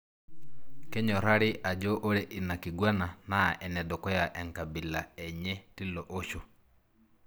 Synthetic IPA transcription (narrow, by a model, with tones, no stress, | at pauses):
kɛ˦ɲɔ˨ɾa˦ɾɪ˦ʔa˨d͡ʒɔ˦ʔo˦ɾe˦ʔi˨na˨ki˨ɡwa˦na˨na˦ʔɛ˨nɛ˨do˨kɔ˦ja˨ʔɛ˨ŋka˨bi˨la˨ɛ˨ɲɛ˦ti˦lɔ˨ʔo˦ʃo˦